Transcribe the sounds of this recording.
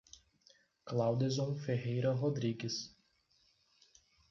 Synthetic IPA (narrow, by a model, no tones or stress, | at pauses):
klawd̪ɪzõw̃feɦejɾɐɦod̪ɾiɡɪs